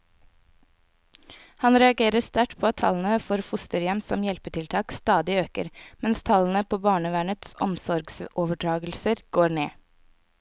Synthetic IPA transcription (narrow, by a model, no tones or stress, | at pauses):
hɑnɾɛɑɡeːɾəst̪æʈpʰoːɑt̪ʰɑ̰ln̩əfɔːɾfʊst̪əɾjɛmsɔ̰mjɛlpət̪ʰɪlt̪ʰɑːkst̪ɑːd̪ɪøːkə̰ɾmɛnst̪ʰɑln̩əpʰoːbɑːɳəʋæːɳət̪sɔ̰msɔɾɡsʔoːʋəɖɾɑːɡl̩səɾɡ̥oːɾɳeː